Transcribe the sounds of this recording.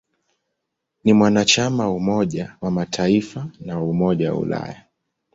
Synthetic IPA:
nimwanat͡ʃamaumɔʄawamatʰaifanawaumɔʄawa̰ṵla̰ja

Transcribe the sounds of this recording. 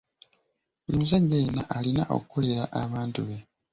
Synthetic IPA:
muzaɟːejnaʔːlinaʔo̞̰kukʰoleɾaʔaβaːntuβe̞

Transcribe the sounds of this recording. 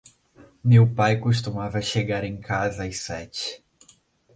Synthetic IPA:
mewpajkoʃ̬t̪umavɐʃeɡaɾẽj̃kʰazɐajsɛt͡ʃɪ̥

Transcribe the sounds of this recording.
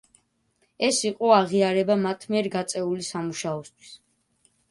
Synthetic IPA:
ɛsiqʼɔaʁiaɾɛbamat̪ʰmiɛɾɡat̪sʼɛulisamuʃaɔst̪ʰwi̥s

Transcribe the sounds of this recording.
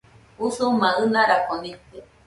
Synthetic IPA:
usumãɨnãɾakonĩt̪e

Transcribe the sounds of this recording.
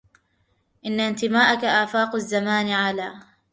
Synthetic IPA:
ʔɪnːaɪnt̪ɪmaːʔakaʔaːfaːqazːamaːnʕalaː

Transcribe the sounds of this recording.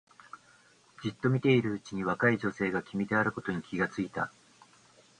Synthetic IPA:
d͡ʑit̪ːo̞mʲit̪e̞iɾɯ̟ɯt͡ɕiɲ̟iβakaiʑo̞se̞ːɡakʲimʲid̪e̞aɾɯ̟ko̞t̪o̞ɲ̟ikʲiɡat͡sɨit̪a̰

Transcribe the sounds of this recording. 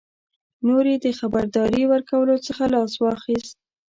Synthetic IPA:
noɾed̪əxabaɾd̪ɑɾiwəɾkawəlot͡səxalɑswɑxist̪̚

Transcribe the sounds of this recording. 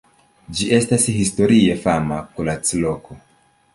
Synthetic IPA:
d͡ʒie̞stashisto̞ɾie̞famakulat͡sloko

